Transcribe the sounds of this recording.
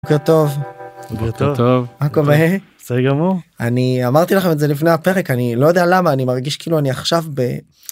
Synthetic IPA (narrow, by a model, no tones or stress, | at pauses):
ket̪o̞vkekt̪ovtovmakomee | siɡamuʁaniamaʁt̪ilaχemetze̞lifne̞jape̞ʁekanilo̞jod̪ealamaːnimaʁɡiʃkiːluaniaχʃavbe